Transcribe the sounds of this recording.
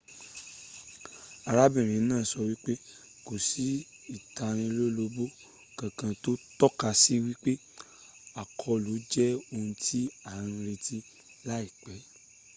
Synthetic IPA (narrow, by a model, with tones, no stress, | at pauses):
a˨ɾa˦bĩ˦˨ɾ̃ĩ˨˦nãː˦˨˦sɔ˧wi˦k͡pe˦ | ko˨si˨˦ | i˨ta˧ɾ̃ĩ˧lo˦lo˧bo˦ | kã˨kã˧to˦tɔ˦ka˧si˦wi˦k͡pe˦ | a˨kʰɔ˧lo˨˦d͡ʒɛ˦o˧ũ˧ti˦ã˦˨˧ɾe˧ti˦ | la˦i˦˨k͡pɛ˨˦